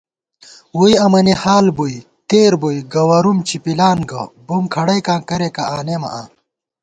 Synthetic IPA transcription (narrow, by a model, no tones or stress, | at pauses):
wujɐmɐnihaːlbuj | t̪eːɾbojɡɐwɐɾumt͡ɕʰipilaːnɡɐbumkʰɐɽɐjkãːkɐɾekaaːnemɐ̰ʔaː